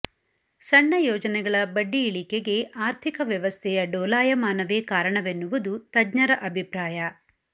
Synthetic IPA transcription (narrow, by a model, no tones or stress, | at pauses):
sɐɳːɐjɔːd͡ʒɐnɛɡɐɭɐbɐɖːiːɭikeɡe̞ʔaːɾt̪ʰikɐʋjɐʋɐst̪ʰɛjɐɖɔːlaːjɐmaːnɐʋeːkaːɾɐɳɐʋenːuʋɐd̪ut̪ɐdɲɐɾɐʔɐbʱipɾaːjɐ